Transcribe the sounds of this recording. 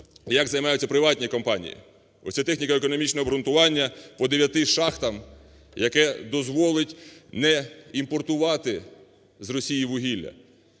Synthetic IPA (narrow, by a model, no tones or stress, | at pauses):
jɐɡzɐjmɑjʊt͡sʲːɐpɾɪʋɑtʲnʲikɔmpɑnʲḭjḭ | ɔ̰sʲɛt̪ɛxnʲikɐekɔnɔmʲit͡ʃnɔɦɔbɾʊnt̪ʊʋɑnʲːɐpɔd̪eʋʲjɐt̪ɪʃɑxt̪ɐm | jɐkɛd̪ɔzʋɔlˠɪtʲnɛimpɔrt̪ʊʋɑt̪ɪ | zrɔsʲijiʋʊɦʲilʲːɐ̰